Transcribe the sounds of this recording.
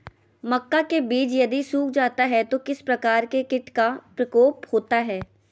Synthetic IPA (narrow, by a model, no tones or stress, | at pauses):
mɐkːakebiːd͡ʒjɐd̪isuːkʰd͡ʒaːt̪aɦɛt̪okɪspɾɐkaːɾkekɪʈkapɾɐkoːphoːt̪aɦɛː